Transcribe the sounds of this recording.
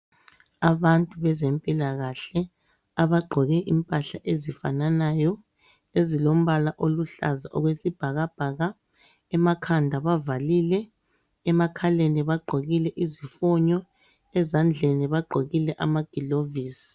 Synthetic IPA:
aβantʼuβɛzempʼilaɣaɬɛ | aβaɡ͡ǃʱɔɣɛʔimpʼaɬaʔezifananajɔ | ezilom̩βalaʔoluɬa̰zaʔɔɣwesib̥ʱaɣab̥ʱaːɣa | ɛmakʰandʱaβavalilɛ | ɛmakʰaleniβaɡ͡ǃʱoɣilɛʔizifɔɲɔ | ɛzand͡ɮʱeniβaɡ͡ǃʱoɣilɛʔamaɡ̥ʱiloviːsi̥

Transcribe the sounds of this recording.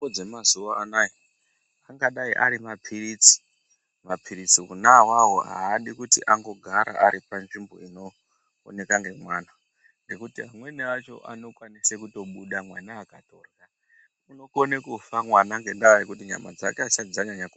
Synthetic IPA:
od͡zemazuaanai | aŋɡaɗaiʔa̰ɾimapʰiriːt͡si̥ | mapʰiɾit͡siunawaɦoɦa̰ːɗikutḭʔaŋɡo̞ɡʱaɾa̰ʔaɾipanʐimbo̞̰ino̞̰ː | ne̞kaŋɡe̞mwaːna | ŋɡe̞kutiɦamwe̞neat͡ʃo̞̰ʔa̰no̞kwanisekuto̞ɓuɗamwanaːkatorɣa | muno̞konekufamwanaŋɡe̞ndaːɾikutiɲa̰mad͡zakeat͡ʃad͡zaɲaɲaku

